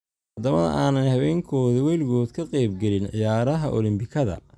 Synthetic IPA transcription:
ɐd̪ɐmɐðɐ̰ʔaːnɐnhɐβɛːŋkʰɔːðiwɛːlɡɔːd̪kʰɐqɛjbɡɛlɪnʕɪjaːɾɐɦɐʔɔlɪmbɪkʰɐðɐ̰

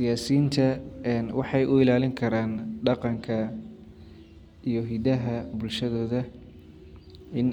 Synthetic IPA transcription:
sɪjaːsiːnt̪ʰɐɛnwɑħɑjʔʊɪlaːlɪŋkʰɐɾaːnɖɑqɑŋkʰɐ | ijɞɦid̪ɐɦɐbʊlʃɐðɔːðɐ | ɪn

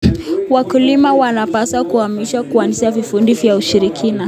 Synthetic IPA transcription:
wakulimawanapasakuhamiʃakuanisiavifundivjauʃiɾikʰina

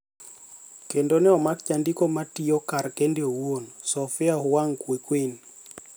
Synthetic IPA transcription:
kendonɛɔmakt͡ʃandikomatiokaɾkendeowonsɔfɪahʊwaŋkwekwen

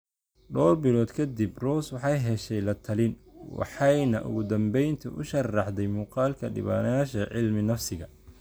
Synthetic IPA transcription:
ɖɔːrbɪlɔːd̪kʰɐd̪ibrɔːswɑħɑjɦɛʃɛjlɐt̪ʰɐlɪnwɑ̰ħɑjnɐʔʊ̰ɣʊd̪ɐmbɛjnt̪ʰʊ̰ʔʊʃɐrɑħd̪ɛjmuːqɑːlkʰɐɖɪ̰βa̰ːnɐjaːʃɐʕɪlmɪnɐfsɪɣɐ

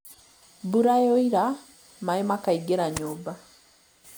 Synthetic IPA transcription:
buɾajoiɾa | maimakaiɡeɾaɲoba

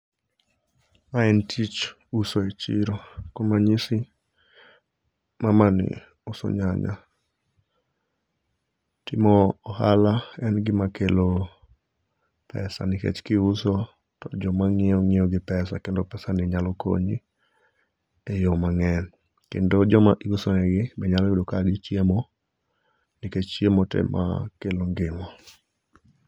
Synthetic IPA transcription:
maɛntʰit͡ʃ | usoet͡ʃḭɾokomaɲisɪ | mamanɪ̰ | ʊsɔ̰ɲaɲa̰ | tɪmɔːhalaɛnɡɪmakelo | pʰɛ̰sa̰nikḛt͡ʃkɪuso | tɔd͡ʒɔmaŋɪɔŋɪɔɡɪpɛsa̰kendopɛsanɪɲalɔko̰ɲi | ejomaŋɛn | kḛndod͡ʒɔmaʔiɡosɔnɛɡɪbɛɲalɔkedokaɡɪt͡ʃemo | niket͡ʃt͡ʃjemɔtɛ̰mʔa̰keloŋɡɪmɔ

